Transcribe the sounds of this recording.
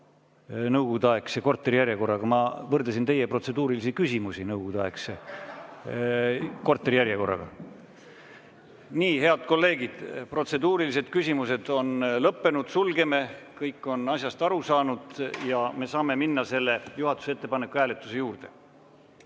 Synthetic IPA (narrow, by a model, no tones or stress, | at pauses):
nɤwɡud̪ɑekseko̞rt̪ˑːeɾijæɾjeko̞rːɑɡ̥ɑmɑvɤrd̪esint̪e̞jepro̞t̪se̞d̪uːɾilisikysʲimusinɤwɡ̥ud̪̥ɑe̞kse | ko̞rt̪ːˑeɾijæɾjeko̞rːɑ̰ɡ̥ɑ̰ | niːɦe̞ɑd̪̥̚ko̞lːe̞ːɡ̥id̪̥pro̞t̪se̞d̪uːɾilise̞d̪̥̚kysʲimuse̞d̪̥o̞nlɤpːe̞nud̪̥sulɡe̞me̞kɤjkːˑo̞nɑsʲjɑst̪ɑɾusɑːnud̪̥jɑme̞sɑːme̞minːɑse̞lːe̞juɦɑt̪ːˑu̥seet̪ːe̞pɑne̞kːˑuhæːlet̪ːˑu̥se̞juːrd̪̥e̞̥